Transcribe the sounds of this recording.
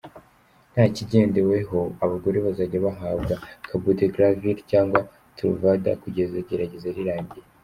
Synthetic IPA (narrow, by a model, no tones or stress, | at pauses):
n̥haciɟe̞ːndewe̞ɦo̞aβaɡo̞ɾeβazaɟaβaɦaːbɡakʰabuteɡɾaviɾcaːŋɡwa | tʰulvada̰kuɟe̞zaɟeɾaɟe̞zaɾiɾaːɲɟije